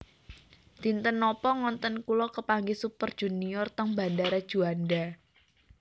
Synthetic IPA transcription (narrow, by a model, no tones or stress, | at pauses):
d̪̥i̤nt̪ənːɔpɔŋɔnt̪ənkulɔkəpaŋɡisupərd̥ʒ̥ṳniɔrt̪əŋba̤ndaɾad̥ʒ̥uanda